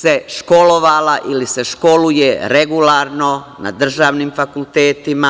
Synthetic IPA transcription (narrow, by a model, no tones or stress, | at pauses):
seʃko̞loʋalaʔiliseʃko̞lujeɾeɡulaːɾno̞na̰d̪r̩ʒaːʋnimfakult̪eːt̪ima